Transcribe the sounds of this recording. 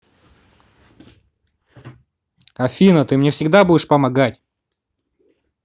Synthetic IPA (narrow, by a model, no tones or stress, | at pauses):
ɐfʲinət̪ɨmnʲefsʲɪɡd̪abudʲɪʂpəmɐɡatʲ